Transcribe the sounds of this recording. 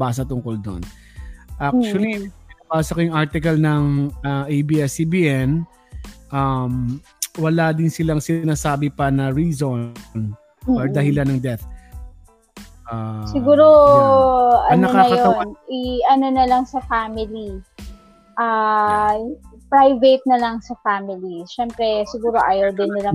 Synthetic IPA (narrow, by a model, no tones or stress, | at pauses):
baːs̬ɐt̪ʊŋkold̪o̰n | ʔak̚t͡ʃwɐliɪnɐpaːsɐkɐjʊŋaɹt̪ɪkɐlnɐŋɐʔejbiːʔɛsibiʔɛn | ʔam | wɐlad̪ɪnsɪlaŋsɪnaːsaːbɪpɐnɐɹizon | oɹd̪ɐhɪlanɐŋd̪ɛt̪ | ʔasɪɡuːɾo | ʔɐnɐokaɐjɐoɐwnʔɪʔɐno̞nɐlɐŋsɐfamɪli | ʔa | pɹajvet̪̚nɐlɐŋsɐfaːmɪliʃɛmpɾɛsɪɡuːɾo̞ʔajɛɹd̪ɪnːɪlɐ